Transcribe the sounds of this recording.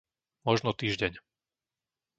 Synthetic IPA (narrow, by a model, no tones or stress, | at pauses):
mɔʒnɔt̪iːʒɟɛɲ